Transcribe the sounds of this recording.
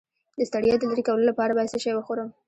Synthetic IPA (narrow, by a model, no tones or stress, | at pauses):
d̪əst̪aɽijɑd̪ələɾikawlolapɑɾabɑjad̪səʃajwəxoɾəm